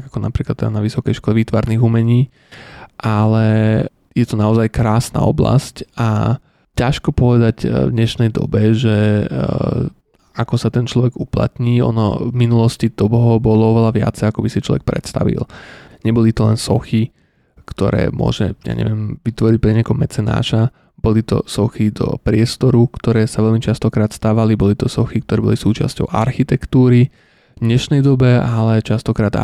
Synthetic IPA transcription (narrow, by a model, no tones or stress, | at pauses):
akɔnapɾiːklat̪ːɛd̪anaʋisɔkɛjʃkɔlɛʋit̪ʋaɾniːɣumɛɲiː | ʔalɛ | jɛt̪ɔnaɔzajkɾaːsna̰ɔbla̰sca | caʃkɔpɔʋɛd̪aɟvd̪ɲɛʃnɛjd̪ɔ̰bɛʒɛ | akɔsat̪ɛnt͡ʃlɔʋɛɡupla̰t̪ɲiːɔ̰nɔ̰vminulɔscid̪̥ɔbɦɔbɔlɔɔʋɛlaʋɪa̰t͡sɛjakɔbisit͡ʃlɔ̰ʋɛk̚pɾɛ̰t̪st̪a̰ʋḭlɲɛbɔlit̪ɔlɛnsɔxi | kt̪ɔɾɛ̰ːmʊɔ̰ʒɛja̰ɲɛ̰ʋɪɛmʋit̪ʋɔɾic̚pɾɛɲɛkɔmːɛt͡sɛna̰ːʃa | b̥ɔlit̪ɔ̰sɔxid̪ɔ̰pɾɪɛst̪ɔɾukt̪ɔɾɛːsaʋɛlʎmit͡ʃast̪ɔkɾaːt̪st̪aːʋalibɔlit̪ɔsɔxikt̪ɔɾɛːbɔlisuːt͡ʃa̰scɔ̰ʊʔa̰ɾxit̪ɛkt̪uːɾi | d̪ɲɛʃnɛjd̪ɔbɛalɛt͡ʃast̪ɔkɾaːd̪a̰